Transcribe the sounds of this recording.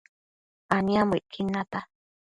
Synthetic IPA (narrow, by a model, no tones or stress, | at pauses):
aniamiʔkʰinːat̪a